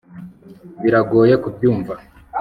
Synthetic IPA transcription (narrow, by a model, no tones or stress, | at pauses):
βiɾaɡo̞ːje̞kubjuːɱva